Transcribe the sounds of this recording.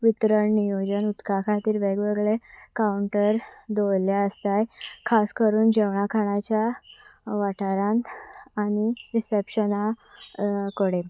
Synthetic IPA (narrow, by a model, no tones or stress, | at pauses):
ʋit̪ɾəɳnijod͡ʑənut̪kakʰat̪iːɾʋeɡʋeɡɭekauɳʈəɾd̪ojljaəst̪ajkʰaskəɾuːnd͡ʑɛʋɳakʰaɽ̃at͡ɕja | ʋaʈʰaɾãnaɽ̃iɾisepɕəna | kɔɽe